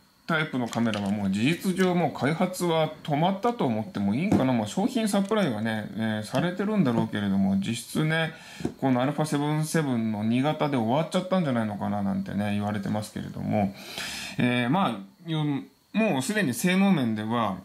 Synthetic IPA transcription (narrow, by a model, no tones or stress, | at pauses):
t̪aipɯ̟no̞kame̞ɾaβamo̞ːd͡ʑiʑit͡sɨʑo̞ːmo̞ːkʰaihat͡sɨβat̪o̞mat̪ːat̪o̞ːmo̞t̪ːe̞mo̞iːŋkanamoːɕo̞ːçĩɰ̃sapɯ̟ɾaiβ̞ane̞esaɾe̞t̪e̞ɾɯ̟̃nd̪aɾo̞ːke̞ɾe̞d̪o̞mo̞d͡ʑiɕi̥t͡sɨne̞ | ko̞ːnaɾɯ̟ɸase̞βɯ̟̃ɰ̃se̞bɯ̟̃nːo̞ɲ̟iɡat̪ad̪e̞oβ̞at͡ɕat̪ːãɲ̟d͡ʑanaino̞kananã̰nt̪e̞̰ne̞iβaɾe̞t̪e̞masɨ̥ke̞ɾe̞̰d̪o̞̰mo̞ | eːma | jo | moːsɨd̪e̞ɲ̟ise̞ːno̞ːmẽ̞nd̪e̞βa